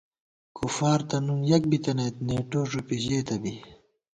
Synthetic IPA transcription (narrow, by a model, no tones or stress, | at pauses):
kufaːɾt̪ɐnumjɐk̚bit̪ɐnɐt̪neːʈoːʐupiʑeːt̪ɐbi